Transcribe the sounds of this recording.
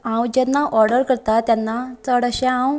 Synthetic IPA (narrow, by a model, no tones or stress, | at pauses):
ãwd͡ʑɛnːaʔɔɾɽəɾkəɾt̪at̪janːat͡səɽəɕɛ̃ãw